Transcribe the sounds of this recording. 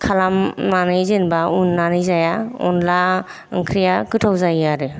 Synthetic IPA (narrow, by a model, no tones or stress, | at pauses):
kʰalamnanɯjzenbaunːanɯjzajaɔ̰nla̰ | ŋkʰɾijakɯtʰawzajaɾɯ